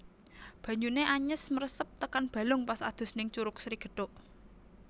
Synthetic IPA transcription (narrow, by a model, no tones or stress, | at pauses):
b̥ä̤ɲuneʔaɲəsməɾəsəp̚t̪əkanb̥ä̤lʊŋpasad̪̥ʊ̤snɪŋt͡ʃuɾʊk̚sɾiɡ̥ə̤ɖ̥ɔʔ